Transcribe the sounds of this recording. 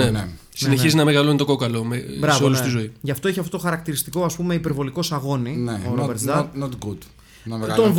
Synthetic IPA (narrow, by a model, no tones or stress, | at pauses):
e | sine̞çizinɐmeɣɐlonit̪o̞ko̞kɐlo̞mebɾɐveolust̪izo̞iʝɐft̪o̞eçiɐft̪ot̪oxɐɾɐk̚t̪iɾist̪iko̞ɐspume̞ipeɾvo̞liko̞sɐɣo̞nineoɾobeɾt̪zd̪ɐnot̪ɡud̪ | t̪onv